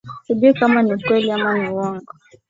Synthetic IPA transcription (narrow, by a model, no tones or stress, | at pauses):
sibikamanikwɛliamaniwɔŋɡɔ